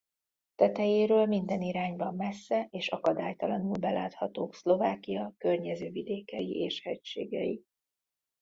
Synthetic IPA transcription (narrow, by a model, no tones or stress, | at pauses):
t̪ɛt̪ɛjeːɾøːlmind̪ɛniɾaːɲbɒmːɛsːɛʔeːʃɒkɒd̪aːjt̪ɒlɒnulbɛla̰ːt̪hɒt̪oːkslo̞vaːkijɒkørɲɛzøːvid̪eːkɛjḭʔeːʃhɛcʃḛːɡɛ̰jḭ